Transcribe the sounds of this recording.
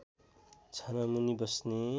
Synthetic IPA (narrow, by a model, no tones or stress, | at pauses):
t͡sʰanamunibʌsne